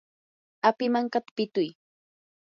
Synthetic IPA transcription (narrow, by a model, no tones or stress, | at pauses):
apɪmaŋkat̪ḁpɪt̪ʊj